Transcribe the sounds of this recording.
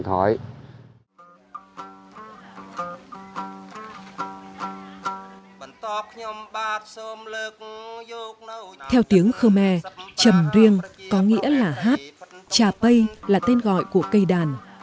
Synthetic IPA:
t̪ʰɔ˨˦j | ɓnt̪ɔ˧p̚kʰɲo˧mɓaː˧t̚so˧mləː˧k̚ː | k̚t̪ʰɛ˧wt̪i˨˦əŋxəː˧mɛ˧t͡ɕə˨˩mzi˧əŋkɔ˨˦ŋḭ˧˥əlaː˨˩ɦaː˦˥t̚t͡ɕaː˨˩pə˧jlaː˨˩t̪e˧nɣɔ̰˧˨jku˧˩əkə˧jɗaː˨˩n

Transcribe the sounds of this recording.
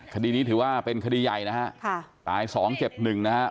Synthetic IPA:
kʰa˧diː˧niː˦˥t̪ʰɯː˩˦waː˥˩pe˧nkʰa˧diː˧ja˨˩jna˦˥ha˦˥ʔkʰa˧˥˩t̪aː˨˧˩jsɔː˩˦ŋt͡ɕe˨˩p̚nɯ˨˩ŋna˦˥ha˦˥ʔ

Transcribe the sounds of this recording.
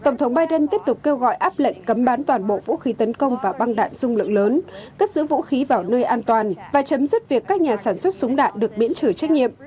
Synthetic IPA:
t̪ə˧˩wŋ͡mt̪ʰə˨˦wŋ͡mɓaː˧jɗə˧nt̪i˦˥əp̚t̪ʊ˨˩k͡p̚ke˧wɣɔ̰˧˨jʔaː˦˥p̚lə̰˧˨jŋ̟kə˨˦mɓaː˨˦nt̪waː˨˩nɓo̰˧˨vṵ˧˥xi˨˦t̪ə˨˦nkə˧wŋ͡mvaː˨˩ɓa˧ŋɗa̰ː˧˨nz̥ʊ˧ŋ͡mlɨ̰˧˨ŋləː˨˦nkaː˦˥k̚sɨ̰˧˥vṵ˧˥xi˨˦vaː˨˩wnəː˧jʔaː˧nt̪waː˨˩nvaː˨˩t͡ɕə˨˦mzɨ˦˥t̚vi˨˩əkːaː˦˥k̚ɲaː˨˩saː˧˩nswt̚sʊ˨˦ŋ͡mɗa̰ː˧˨nɗɨ˨˩ək̚ɓḭ˧˥nt͡ɕɨ˧˩t͡ɕɛ˦˥k̟̚ɲḭ˧˨ə˨ʔ

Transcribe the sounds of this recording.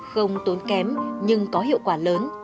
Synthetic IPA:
xə˧wŋ͡mt̪o˨˦nkɛ˨˦mɲɨ˧ŋkɔ˨˦ɦḭ˧˨əwkwaː˧˩ləː˨˦n

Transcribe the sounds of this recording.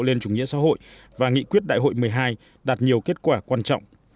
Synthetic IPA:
le˧nt͡ɕʊ˨˧˩ŋ͡mŋḭ˧˥əsa̰˧˥ɦo̰˧˨j | vaː˨˩ŋḭ˧˨kwi˦˥ət̚ɗa̰ː˧˨jɦo̰˧˨jmɨ˨˩əjɦaː˧j | ɗaː˨˩t̚ɲi˨˩əwke˦˥t̚kwaː˧˩kwaː˧nt͡ɕɔ̰˧˨wŋ͡m

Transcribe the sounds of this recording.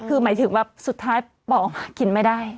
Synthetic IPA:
kʰɯː˧maː˩˦jt̪ʰɯ˨˩˦ŋwaː˥˩su˨˩t̪ʰːaː˦˥j | bɔː˨˩ka˧˩ki˨˩nma˥˩jdaː˥˩j

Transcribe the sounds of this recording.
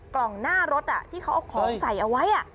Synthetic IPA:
klɔ˨˩ŋnaː˥˩ɾo˦˥t̪̚ʔa˨˩t̪ʰiː˥˩kʰa˦˥wʔa˨˩kʰɔː˩˦ŋsa˨˦jʔa˧wa˦˥jʔa˨˩

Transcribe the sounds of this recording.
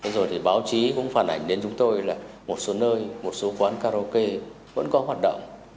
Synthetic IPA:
t̪ʰe˨˦zo˨˩jt̪ʰi˨˩ɓaː˨˦wt͡ɕi˨˦kʊ̰˧˥ŋ͡mfaː˨˩nʔa̰˨˩jŋ̟ɗe˨˦nt͡ɕʊ˨˦ŋ͡mt̪o˧jlaː˨˩mo˨˩t̚so˨˦nəː˧jmo˨˩t̚so˨˦kwaː˨˦nkaː˧ɾo˧ke˧ | və̰˧˥nkɔ˨˦ɦwaː˨˩t̚ɗə̰˧˨wŋ͡m

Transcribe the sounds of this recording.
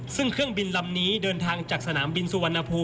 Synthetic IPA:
sɯ˥˩ŋkʰɯ˥˩əŋbi˧nla˧mniː˦˥dɤː˧nt̪ʰaː˧ŋt͡ɕaː˨˩k̚sa˧naː˩˦mbi˧nsuː˨˧˩wa˧nʔa˧pʰuː˧

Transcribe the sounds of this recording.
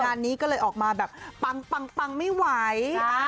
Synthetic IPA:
aː˧nːiː˦˥kɔː˥˩lɤː˧jʔɔː˨˩k̚maː˧bɛː˨˩p̚pa˧ŋpa˧ŋpa˧ŋma˥˩jwa˩˦j

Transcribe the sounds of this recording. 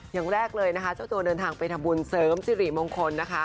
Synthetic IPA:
ja˨˩ŋɾɛː˥˩k̚lɤː˧jna˦˥kʰa˦˥t͡ɕa˥˩wt̪u˧dɤː˧nt̪ʰaː˧ŋpa˧jt̪ʰa˧mbu˧nsɤː˩˦˥msiː˧˥ɾi˨˩moː˧ŋkʰo˧nːa˦˥kʰa˦˥

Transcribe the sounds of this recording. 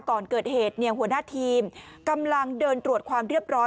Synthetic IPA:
kɔː˨˩nkɤː˨˩t̪̚heː˨˩t̪̚nɛ˧˩hu˩˦ənaː˥˩t̪ʰiː˧m | ka˧mla˧ŋdɤː˧nt̪ɾu˨˩ət̪̚kʰwaː˧mɾi˥˩əp̚ɾɔː˦˥

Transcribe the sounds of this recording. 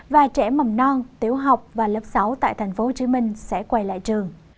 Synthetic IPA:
vaː˨˩t͡ɕɛ̰˧˥˩ma˨˩mnɔ˧ŋt̪i˨˦əwɦa˨˩wk͡p̚vaː˨˩lə˦˥p̚sa˨˦wt̪a̰ː˧˨jt̪ʰɛ˨˩jŋ̟fo˨˦ho˨˩t͡ɕi˨˦mï˧ŋ̟sɛ̰˧˥kwa˧˩jla̰ː˧˨jt͡ɕɨ˨˩əŋ

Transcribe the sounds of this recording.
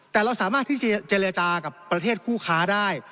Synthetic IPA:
t̪ɛː˨˩ɾa˧wsaː˨˦maː˥˩t̪ʰːiː˥˩t͡ɕe˧ɾa˧t͡ɕaː˧ka˨˩pːɾa˧eː˥˩t̪̚kʰuː˥˩kʰaː˦˥daː˥˩j

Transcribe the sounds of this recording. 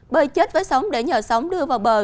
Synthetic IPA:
ɓəː˨˩jt͡ɕe˦˥t̚vəː˨˦jsa˨˦wŋ͡mɗe˧˩ɲəː˨˩sə˨˦wŋ͡mɗɨ˧əvaː˨˩wɓəː˨˩

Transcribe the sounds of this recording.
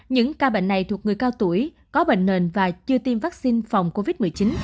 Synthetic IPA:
ɲɨ̰˧˥ŋkaː˧ɓḛ˧˨ŋ̟na˨˩jt̪ʰu˨˩ək̚ŋɨ˨˩əjkaː˧wt̪u˧˩əj | kɔ˨˦ɓḛ˧˨ŋ̟ne˨˩nvaː˨˩t͡ɕɨ˧ət̪i˧mvaː˦˥k̚si˧nfa˨˩wŋ͡mko˧vi˦˥t̚mɨ˨˩əjt͡ɕi˨˦n

